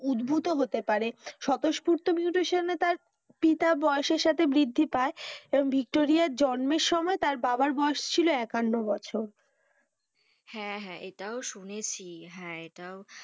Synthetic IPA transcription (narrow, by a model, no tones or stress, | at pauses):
ud̪bʱut̪oɦot̪epaɾeʃɔt̪oʃpuɾt̪omiuʈeʃanːet̪aɾ | pit̪abɔeoʃeɾʃat̪ʰebɾid̪ʱːipaeeboŋbʱik̚ʈoɾiaɾd͡ʑɔnmeɾʃɔmɔet̪aɾbabaɾbɔoʃt͡ɕʰiloɛkanːobɔt͡ɕʰoɾ | hɛ̃ɦɛ̃ʔeʈaoʃunet͡ɕʰiɦɛ̃eʈao